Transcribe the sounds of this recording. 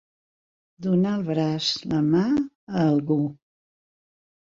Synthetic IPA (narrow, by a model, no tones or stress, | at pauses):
d̪unaəlˠβɾazləma | əːlˠɣu